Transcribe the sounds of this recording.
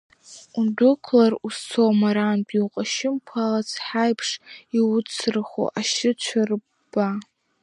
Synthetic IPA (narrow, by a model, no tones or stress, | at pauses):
udʷʊkʷʰlarust͡sʰomaɾanpʼiwqʼaʃɪmpʷʰalat͡sʰħajpʰʂiʊt͡sʰrχo̰ʔaʃɪt͡ʃʷʰar | ba